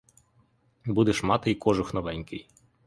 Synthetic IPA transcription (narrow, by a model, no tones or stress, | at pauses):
bud̪ɛʃmɑt̪ɪjkɔʒʊxnɔʋɛnʲkɪj